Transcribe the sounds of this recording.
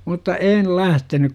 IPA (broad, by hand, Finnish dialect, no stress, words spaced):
mutːɑ eːn læhtenyk